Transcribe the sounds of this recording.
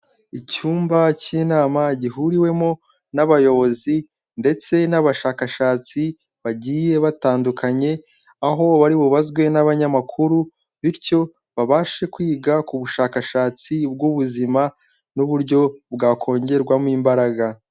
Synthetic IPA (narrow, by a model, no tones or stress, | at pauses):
icuːmbaciːnaːmaɟiɦuɾiwe̞mo | naβajo̞βo̞zi | nde̞t͡se̞naβaʃaːkaʃaːt͡si | βaɟiːje̞βataːndukaɲe̞ | aɦo̞βaɾiβuβazɡwe̞naβaɲamakʰuɾu | βiɾco̞ | βaβaːʃe̞kwiːɡakuβuʃaːkaʃaːt͡sib̚ɡuβuzima | nuβuɾɟo̞bɡaːkʰo̞ːɲɟe̞ɾɡwamwiːmbaɾaɡa